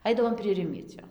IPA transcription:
ˈɐɪdɐʋoːm pʲrʲiɛ ˈrʲɪmʲiɛt͡sʲoː

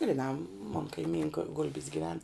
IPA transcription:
ɡrʲɪˈnɑː moːn kɐɪˈmʲiːŋkɐ ˈɡʊlʲbʲɪs ɡʲɪˈʋʲɛn

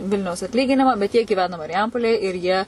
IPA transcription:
ˈʋʲɪlʲnʲɛʊs ɐtʲˈlʲiːɡʲɪnʲɪmɐ bʲɛt jiɛ ɡʲiːˈʋʲæːnɐ mɐrʲɪˈjɛmpoːlʲeːj ɪr ˈjiɛ

